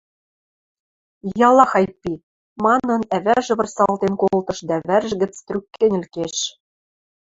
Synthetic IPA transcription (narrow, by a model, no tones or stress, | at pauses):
jɑlˠɑxɑjpːi | mɑnɤ̆næβæʒɘ̆βɤ̆rsɑlt̪enkolˠt̪ɤ̆ʃd̪æβærʒɘ̆ɡɘ̆t͡st̪ɾʲykːenʲɘ̆lkeʃ